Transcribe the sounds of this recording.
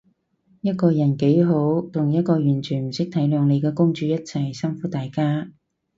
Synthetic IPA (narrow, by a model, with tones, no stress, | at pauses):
jɐ˥t̚kɔː˧jɐ˨˩nke˨˥jɦo˨˥wt̪ʰʊ˨˩ŋjɐ˥t̚kɔː˧jyː˨˩nt͡ʃʰyː˨˩nm̩˨˩sɪ˥k̚t̪ʰɐ˨˥jlœː˨˧ŋle˨˧jkɛː˧kʊ˥ŋt͡ʃyː˧jɐ˥t̚t͡sʰɐ˨˩jsɐ˥ŋfuː˨˥t̪aː˨jkaː˥